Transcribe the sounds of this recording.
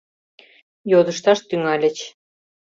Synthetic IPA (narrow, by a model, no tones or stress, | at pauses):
jod̪ə̆ʃt̪ɑʃt̪yŋælʲɘ̆t͡ɕ